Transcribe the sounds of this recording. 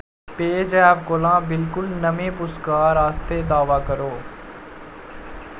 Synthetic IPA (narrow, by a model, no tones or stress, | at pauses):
peːd͡ʒɛːʋkolãːbɪlkʊlnəmẽːpʊskaːɾaːst̪eːd̪aːʋaːkəɾoː